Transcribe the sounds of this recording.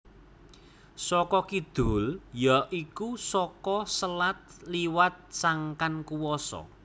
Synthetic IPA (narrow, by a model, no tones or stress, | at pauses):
sɔkɔkid̪̥ṳljɔʔikusɔkɔsəlat̪̚liwat̪̚saŋkankuwɔsɔ̰